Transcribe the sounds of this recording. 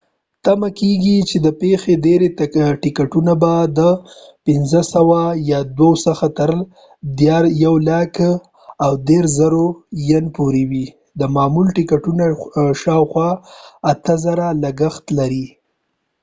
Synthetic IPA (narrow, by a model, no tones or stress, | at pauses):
t̪amakeɡit͡ʃed̪əpexeɖeɾeʈɪkaʈunabad̪əpɪnzəsawajɑd̪wawsəxat̪əɾ | d̪jɑɾjawlak | awd̪eɾzəɾojanpuɾewi | d̪əmɑmulʈɪkaʈunaʃɑwxwɑat̪əzaɾalaɡaxt̪laɾi